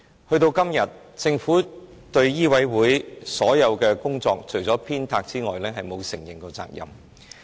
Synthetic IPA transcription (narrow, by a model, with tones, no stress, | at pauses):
hɵ˧ɥt̪o˧wkɐ˥mjɐ˨t̚ | t͡sɪ˧ŋfuː˨˥ | t̪ɵ˧ɥjiː˥wɐ˨˥jwuː˨˥jsɔː˨˥jɐ˨˧wkɛː˧kʊ˥ŋt͡sɔː˧k̚t͡ʃʰɵ˨˩ɥt͡sɔː˨˥pʰiː˥nt̪ʰaː˧k̚t͡siː˥ŋɔ̰ː˨jlɛː˥ɦɐ˨jmo˨˧wsɪ˨˩ŋjɪ˨˩ŋko˧t͡sa̰ː˧k̚jɐ̰˨˩m